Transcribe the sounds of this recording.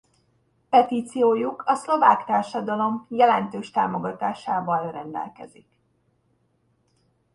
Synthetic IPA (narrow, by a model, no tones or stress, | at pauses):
pɛt̪iːt̪sijoːjukɒslo̞vaːkt̪aːrʃɒd̪ɒlo̞mjɛlɛnt̪øːʃt̪a̰ːmo̞ɡɒt̪aːʃaːbɒlrɛnd̪ɛ̰lkɛ̰zik